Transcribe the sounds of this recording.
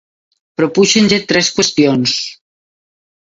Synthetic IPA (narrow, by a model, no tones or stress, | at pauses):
pɾopuʃenʲd͡ʒet̪ɾɛskwest̪jons